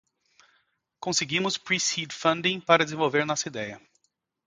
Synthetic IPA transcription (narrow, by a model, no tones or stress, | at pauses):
kõseɡĩmʊspɾisid̪fɐ̃nd̪ĩpaɾɐd̪eɪzẽvowveɾnɔsɐid̪ɛjɐ